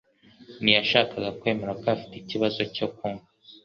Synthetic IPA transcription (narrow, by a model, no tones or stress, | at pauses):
nijaʃaːkaɡakwe̞ːmeɾakafi̥teiciβazo̞cokuŋa